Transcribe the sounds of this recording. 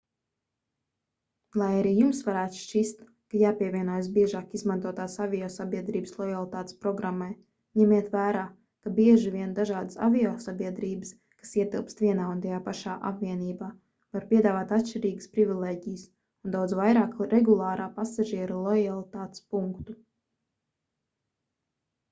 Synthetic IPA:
lˠajaɾiːjumsvaɾæːt̪u̥ʃt͡ʃist̪ | kajaːpʲiɛvʲiɛnuɔjs̬biɛʒaːkizmant̪uɔt̪aːsavʲiɔsabʲiɛd̪ɾiːbslˠɔjalˠit̪aːt̪ɪ̥spɾɔɡɾamːaj | ɲɛmiɛt̪væːɾaː | kabiɛʒiviɛnd̪aʒaːd̪əsa̰vʲioːsabʲiɛd̪ɾiːbɨs | kḁsiɛt̪ilˠpst̪vʲiɛnaːund̪ajaːpaʃaːʔa̰pviɛniːbaː | vaɾpʲiɛd̪aːvaːt̪at̪ʃt͡ʃiɾiːɡəspɾivʲilˠeːɟʲijɨs | und̪awd̪zvajɾaːkɾʔɛɡulˠaːɾaːpasaʒiɛɾulˠɔjalˠit̪aːt̪spuŋkt̪u

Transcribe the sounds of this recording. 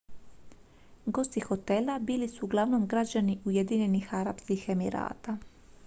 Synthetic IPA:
ɡo̞st̪ixo̞t̪e̞labiːlisuːɡlˠaʋno̞mɡɾad͡ʑaniʔujed̪iɲe̞nixaɾa̰pskixe̞miɾa̰ːt̪a

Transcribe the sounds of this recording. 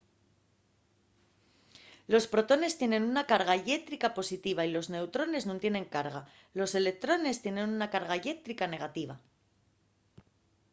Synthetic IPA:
lo̞spɾo̞t̪o̞ne̞st̪je̞nẽ̞nunakaɾɣaʎe̞t̪ɾikapo̞sit̪iβ̞ailo̞zne̞wt̪ɾo̞ne̞znũnt̪je̞ne̞ŋkaɾɣa | lo̞se̞le̞k̚t̪ɾo̞ne̞st̪je̞nẽ̞nunakaɾɣaʎe̞t̪ɾikane̞ɣ̞at̪iβ̞a

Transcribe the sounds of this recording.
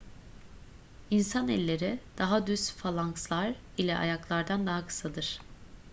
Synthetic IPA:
insanɛlʲːe̞ɾid̪̥aɦad̪yst̪falˠaŋkslˠaɾ | ilʲɛʔa̰jaklˠaɾd̪and̪aɦakʰɯ̥sad̪ɯɾ̥

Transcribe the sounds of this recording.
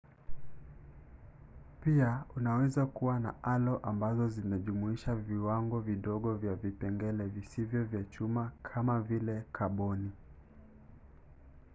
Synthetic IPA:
piaunawɛzakuwana̰ʔalɔʔambazɔzinaʄumuiʃaviwaŋɡɔviɗɔɠɔvjavipɛŋɡɛlɛvisivjɔvjat͡ʃumakʰamavilɛkʰaɓɔni

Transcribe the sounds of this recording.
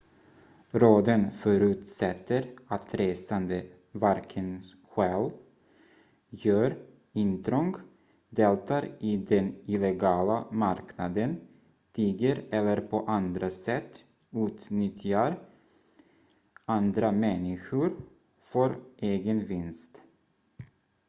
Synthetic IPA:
ɾoːd̪ənfœɾʉ̟ːt̪sɛt̪ːəɾat̪ɾeːsand̪ə | vaɾkʰən | ɧɛːl | jœːɾ | ɪnt̪ʰɾɔŋɡ | d̪eːlt̪aɾɪd̪ɛnɪlɛɡɑːlamaɾknad̪ən | t̪ʰiːɡəɾɛlːəɾpʰɔʔand̪ɾasɛt̪ː | ʉ̟ːt̪nʏt̪ʰːɪaɾ | and̪ɾamɛnːɪɧʊɾ | fœɾʔeːɡənvɪnst̪

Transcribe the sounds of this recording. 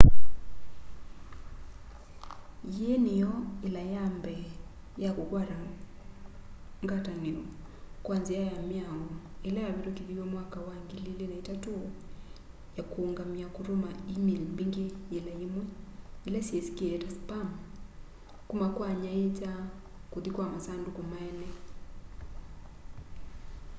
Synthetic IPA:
jenejɔelajambɛ | jakokwaɾa | ŋɡataneɔ | kwanzejajamjaŋɔelɛjaβeɾokeðiwɛmwakawaŋɡelelelaitato | jakoːŋɡamiakuɾomaimilmbeŋɡejelɛemwɛelɛsiɛsi̥kiɛɛtaspam | kumakwaɲaet͡ʃa | kuðikwamasandukomaɛnɛ

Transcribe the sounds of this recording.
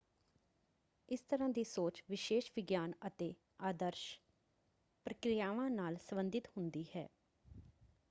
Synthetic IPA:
ɪst̪əɾãːd̪iːsoːt͡ʃʋɪʃeːʃʋɪɡjaːnət̪eː | aːd̪əɾʃ | pɾəkɾɪjaːʋãːnaːlsəbənd̪ɪt̪hʊnd̪iːhɛ̰ː

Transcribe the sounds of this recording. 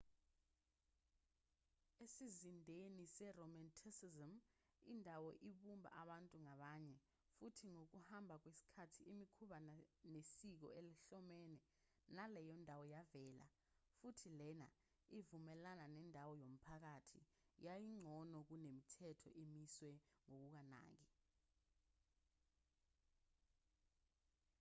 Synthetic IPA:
esizindʱenisɛrɔmɛntʰsizim | indʱawɔʔiɓumbʱa̰ʔaɓantʼuŋaɓaːɲɛ | futʰiŋok̬uhambʱak̬wesi̥kʰatʰiʔimikʰuɓanesik̬ɔ̰eliɬɔmɛːnɛ | nalɛjɔndʱawɔjavɛːla̰ | futʰilɛna̰ | ivumɛlananɛndʱawɔjom̩pʰak̬atʰḭ | jajiŋ͡ǀʱɔnɔk̬unemitʰɛtʰɔ̰ʔimiswɛŋok̬uk̬ana̰ːk̬i

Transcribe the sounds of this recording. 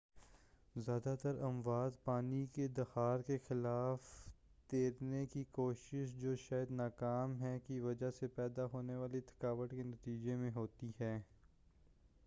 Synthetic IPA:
zjaːd̪at̪əɾɐmʋaːd̪paːniked̪ɐxaːɾkexɪlaːf | d̪̥eːɾnekikoːʃɪʃd͡ʒoːʃaːjəd̪naːkaːmɦɛkiʋɐd͡ʒasepɛːd̪aɦoːneʋaːlet̪ʰɪ̥kaːʋəʈkenɐt̪iːd͡ʒemẽɦoːt̪iɦɛː

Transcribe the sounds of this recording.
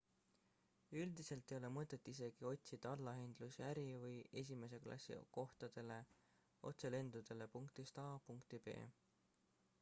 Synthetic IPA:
yld̪ise̞lt̪ːˑe̞jo̞le̞mɤt̪ːˑe̞t̪ːˑis̬e̞ɡ̥io̞t̪ʲsid̪ɑɑlːɑɦend̪̥lusæɾivɯje̞s̬ʲime̞s̬e̞klɑ̰sḭko̞ht̪ɑd̪̥e̞le̞ | o̞̰t̪se̞le̞nd̪̥ud̪̥e̞le̞puŋkt̪ist̪ɑːpuŋkt̪ibe̞̰ː

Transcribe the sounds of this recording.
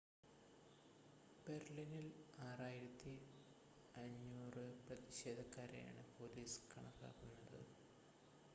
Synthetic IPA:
b̥erlinilaːraːjiɾɐt̪ːi | ɐɲːuːrɨprɐðiɕe̞ːd̪ʱɐkːaːɾḛja̰ːɳɨpo̞ːliːskɐɳɐkːa̰ːpinːɐðɨ̰ɨ

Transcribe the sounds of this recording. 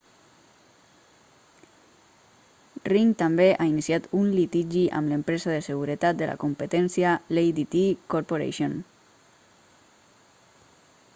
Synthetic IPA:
riŋt̪ambeʔainisjat̪unlit̪iʒiʔa̰mləmpɾezaðesəɣ̞uɾət̪at̪̚d̪əla̰kumpət̪ɛnsjalejd̪it̪ikoɾpoɾḛʃjon

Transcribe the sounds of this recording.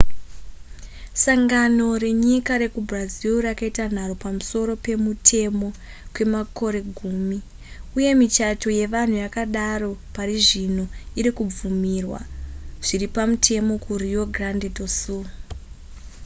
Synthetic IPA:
saŋɡano̞re̞ɲikaɾe̞kubʱraziurakaitan̤aropamuso̞ɾo̞pe̞mutʰe̞mo̞ | kwe̞mako̞ɾe̞ɡʱuːmi | uje̞mit͡ʃato̞je̞ʋan̤ujakaɗaro̞pariʐino̞iɾikub͡vumirwa̰ʐ̥iripamutʰe̞mo̞kurio̞ɡrandedosu

